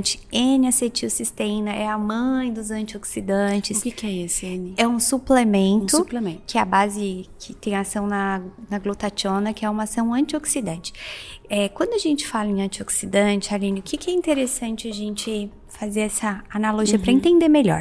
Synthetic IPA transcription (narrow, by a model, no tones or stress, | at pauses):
t͡ʃɪ̥ẽnɪaset͡ʃiʊsist̪ẽnɐʔɛɐmɐ̃j̃d̪ʊzɐ̃nt͡ʃioksid̪ɐ̃t͡ʃɪskɪkɛesɪenɪɛũsuplemẽnt̪ʊplemẽkɪɛɐbazɪkʰɪt̪ẽj̃asɐ̃w̃nɐnɐɡlot̪at͡ʃõnɐkɪɛũmɐasɐ̃w̃ɐ̃nt͡ʃioksid̪ɐ̃nt͡ʃɪ̥ɛkwɐ̃nd̪ʊaʒẽnt͡ʃɪ̥falɐẽɐ̃nt͡ʃioksid̪ɐ̃t͡ʃɪalĩnɪʊkɪkɪɛĩnt̪eɾesɐ̃nt͡ʃɪaʒẽnt͡ʃɪ | fazeɾɛsɐanaloʒiɐpɾɐẽnt̪ẽnd̪eɾmeʎɔ̰ɾ